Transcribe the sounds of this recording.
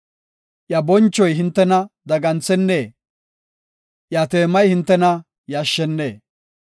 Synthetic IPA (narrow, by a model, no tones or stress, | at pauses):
ʔjɐbɔnt͡ʃːɔjɦɪnt̪ːɛnɐd̪ɐɡɐnt͡sɛnːeː | ʔjɐt̪eːmɐjhɪnt̪ːɛnɐ | jɐʃːɛnːeː